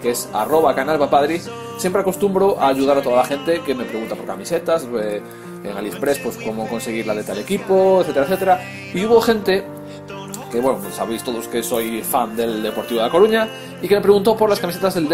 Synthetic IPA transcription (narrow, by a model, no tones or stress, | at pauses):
keesa̰ro̞β̞akanalβapaðɾis | sjempɾeako̞st̪umbɾoʔaːʎuð̞aɾat̪oðalaxe̞nt̪ekemepɾeɣunt̪apo̞ɾkamise̞t̪ase | eŋalispɾespwe̞sko̞moko̞nseɣ̞iɾlaðet̪aele̞kipoeθet̪eɾaeθet̪eɾa | iuβo̞xe̞nt̪e | keβwenosaβejst̪o̞ðoskeso̞jfand̪e̞ld̪e̞po̞ɾt̪iβoakoɾuɲa | ikeme̞pɾe̞ɣunt̪opoɾlaskamiset̪azðeld̪